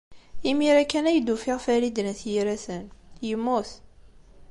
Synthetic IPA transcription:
imiɾækːænæjd̪ufiʁfælid̪ənθjiɾæθənjəmːuθ

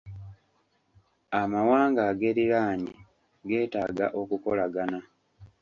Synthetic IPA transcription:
amawaːŋɡaɡeɾiɾaːɲḭ | ɡe̞ːtaːɡa̰ʔo̞kuko̞laɡana

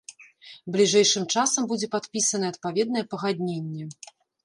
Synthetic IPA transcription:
blʲiʐɛjʂɨmt͡ʂasɐmbud͡zʲɛpat̪pʲisɐnɐɛɐt̪pavʲɛd̪nɐjɛpɐɣad̪ʲnʲenʲːɛ

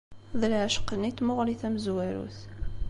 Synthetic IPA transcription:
ðəlʕəʃqːənit̪ːmʊʁliθæməzwæɾṵθ

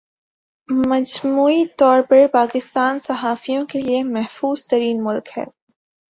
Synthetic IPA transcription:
mɐd͡ʒmuːit̪ɔːɾpɐɾpaːkɪst̪aːnsɐɦaːfijõkeliemɛɦfuːzt̪ɐɾiːnmʊlkhɛ̰ː

